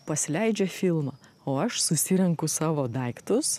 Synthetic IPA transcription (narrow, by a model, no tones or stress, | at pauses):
pɐsʲlʲɛɪd͡ʒʲɛfʲɪlˠmɑː | oːɐʃsʊsʲɪɾʲɛŋkʊsɑːʋoːd̪ɐɪkt̪ʊs